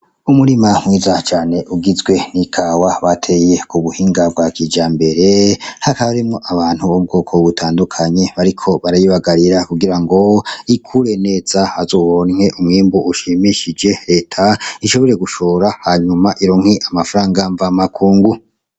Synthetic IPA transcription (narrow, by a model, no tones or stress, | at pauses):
umuɾimamwiːzat͡ʃaːne̞ʔuɡizɡwe̞nikʰaːwaβatʰe̞jekuβuhiːŋɡab̚ɡwakid͡ʒaːmbe̞ɾe̞hakaβaɾimŋo̞ʔaβaːn̥huβobɡo̞ːkʰoβutʰaːndukʰaɲe̞βaɾikʰo̞βaɾajiβaɡaɾiɾakuɡiɾaŋɡo̞ikʰuɾe̞ne̞ːz̥aazo̞ːβonŋe̞ʔumŋiːmboʔuʃimiʃid͡ʒe̞ɾe̞ːtʰaiʃo̞βo̞ɾe̞ɡuʃo̞ɾahaɲumaʔiɾoŋ̥hiʔamafaɾaːŋɡaɱvamakʰuːŋɡu